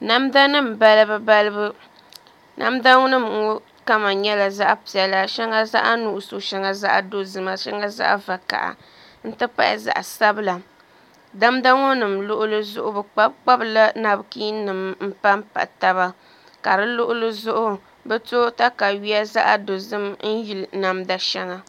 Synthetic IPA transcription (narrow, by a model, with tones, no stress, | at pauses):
na˦mda˦nɨ˦m̩˨ba˦lɨ˦bɨ˦ba˦lɨ˦bɨ˦ | nʔa̰˦mda˦ŋʊ˦nɨ˦m˨ŋ˦ | ka˦ma˨ɲɛ˦la˨za˦ʔa˦pi˨ɛ˨la˦ʃɛ˦ŋa˦za̰˦ʔa˦nu˨ʔso˨ʃɛ˦ŋa˨za˦ʔa̰˨do˦zɨ˨ma˨ʃɛ˦ŋa˦za̰˦ʔva˨ka̰˨ʔa̰˨ | n̩˦tɨ˦pa̰˦ʔza̰˨ʔa˨sa˦bɨ˦la˨ | da˦mda˦ŋʊ˦nɨ˨mlʊ˦ʔʊ˦lɨ˦zʊ˦ʔʊ˦bɛ˨k͡pa˦bk͡pa˦bla˦na˨bkiː˦nɨ˨mm̩˦pa˦mpa̰˨ta˦βa˦ | ka˨ɾɨ˦lʊ˦ʔʊ˦lɨ˦zʊ˦ʔʊ˦ | bɛ˦to˦ta˦ka˨wɥi˦a˦za˦ʔa˦do˨zɨ˦mn̩˦ji˨lna˨mda˦ʃɛ˦ŋa˨